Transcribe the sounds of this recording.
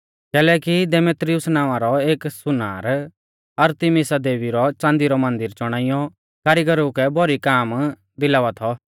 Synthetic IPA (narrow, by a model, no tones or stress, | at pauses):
kɛːlɛːkid̪emeːt̪ɾɪjʊsnãːʋ̃ãɾɔeːksʊna̰ːɾ | ɐɾt̪imisad̪eːʋiɾɔt͡ʃãːnd̪iɾɔmɐ̃nd̪ɪɾt͡ʃɔɽ̃aːɪjɔ | kaːɾiɡɐɾukɛbʱɔɾikaːm | d̪ɪlaːʋat̪ʰɔ